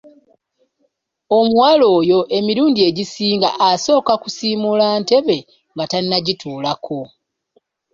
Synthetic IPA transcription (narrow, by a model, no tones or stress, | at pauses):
o̞muwaːlo̞ːjo̞ʔe̞miɾuːndie̞ɟisiːŋɡa̰ʔaso̞ːkakusiːmulante̞βe̞ | ŋɡatanːaɟitʰuːlakʰo̞